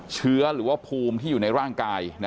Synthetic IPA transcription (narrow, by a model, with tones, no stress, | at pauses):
t͡ɕʰɯ˦˥ɐɾɯː˩˦waː˥˩pʰuː˧mt̪ʰiː˥˩uː˨˩na˧jɾaː˥˩ŋkaː˧jna˦